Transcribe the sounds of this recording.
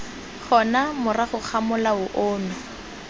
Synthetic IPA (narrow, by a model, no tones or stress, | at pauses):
χɔnamʊraχʊχʰamʊlaʊʔoːmɪ